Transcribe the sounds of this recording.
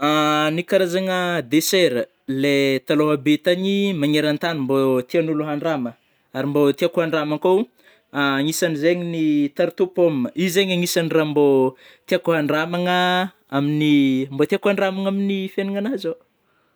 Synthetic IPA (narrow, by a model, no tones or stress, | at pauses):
anikaɾazaŋəd̪eseɾə | let̪aloɦabet̪aɲimaɲeɾant̪animbot̪ianuluɦaɳɖ͡ʐamə | aɾimbot̪iakuɦaɳɖ͡ʐamakow | aŋisanizeɲinit̪aɾt̪upomːəizeɲaŋisanirambo | t̪iakuɦaɳɖ͡ʐamaŋə | aminimbot̪iakuaɳɖ͡ʐamaŋaminifeniŋanaza